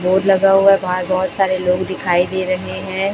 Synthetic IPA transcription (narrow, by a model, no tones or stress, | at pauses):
boːɖlɐɡaɦuɛʋɐɦãbɔɦʊt̪saːɾeloːɡd̪ɪkʰaːid̪eːɾɐɦeɦɛ̃ː